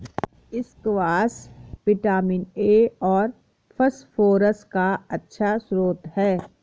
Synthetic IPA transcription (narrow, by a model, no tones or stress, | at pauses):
ɪskʋaːspɪʈaːmɪneːɔːɾ | pʰəsfoːɾəskaɐtːʃʰasɾoːt̪hɛː